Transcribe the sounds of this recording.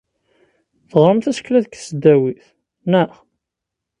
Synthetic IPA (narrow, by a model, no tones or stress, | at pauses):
θəʁɾˤəmθæsə̥klæðkθsəd̪ːæwiθ | nəχ